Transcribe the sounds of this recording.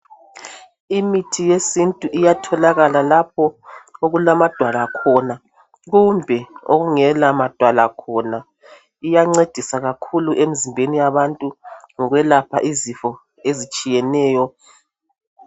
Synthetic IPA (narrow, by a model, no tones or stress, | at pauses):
imitʰijesintʼuʔijatʰɔlaɣalalap̚ʰɔoɣulamad̥ʱwalakʰɔna | ɣumbʱɛo̰ɣuŋɛlamad̥ʱwalakʰɔna | ijaŋ͡ǀed̥ʱisaɣakʰuluʔem̩zimbʱenijaβantʼuŋɔɣwɛlapʰa̰ʔizifɔ | ezit͡ʃʼijɛnɛːjɔ